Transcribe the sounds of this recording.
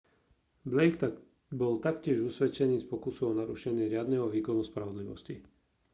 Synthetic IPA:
blɛjkt̪ | bɔlt̪akcɪɛʒusʋɛt͡ʃɛniːspɔkusɔɔnaɾuʃɛɲɪɛɾɪad̪nɛɦɔʋiːkɔnuspɾaʋɔd̪liʋɔ̰sci

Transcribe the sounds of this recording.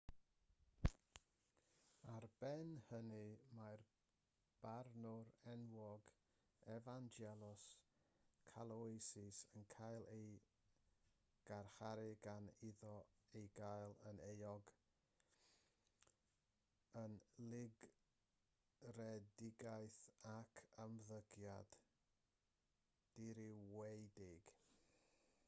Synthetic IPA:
arb̥ɛnhənɨmar | b̥arnʊɾɛnwɔɡ | ɛvand͡ʒɛlˠʊs | kʰalˠɔsɪsənkʰajlˠej | ɡ̥arχaɾɪɡanɪðɔejɡajlˠənejɔɡ | ənlɪɡ | rɛdɪɡajθakʰəmðəɡja̰d̥ | iɾɪwejdɪɡ̥

